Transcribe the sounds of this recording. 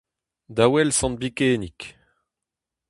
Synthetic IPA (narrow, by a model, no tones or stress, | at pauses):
d̪awɛlsɑ̃n̚bikeːnik